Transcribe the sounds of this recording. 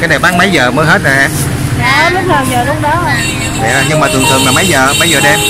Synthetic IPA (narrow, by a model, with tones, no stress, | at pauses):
kaː˨˦jɗa˨˩wɓaː˨˦˥n̚maə˨˦jzəː˨˩məː˨˦jɦe˦˥t̚zɔ˨˩jʔaː˧nː˨˦ | lʊ˦˥laː˨˩wzəː˨˩lʊ˨˧əŋɗɔ˨˦ɦə˧ | nɛ̰˨˩˨ɲɨ˧ŋmaː˨˩ɨ˨˩ŋt̪ʰɨ˨˩ŋlaː˨˩mə˨˦jzəː˨˩ma˨˦jzəː˨˩ɗɛ˧m